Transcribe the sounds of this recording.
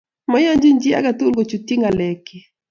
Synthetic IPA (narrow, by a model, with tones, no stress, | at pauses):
mɔ˦ja˦ɲd͡ʒɪ˦ɲd͡ʒi˦a̰˦ɡa˨tu˦lɡo˨t͡ʃu˨ti˦ŋa˨lɛ˨ki˨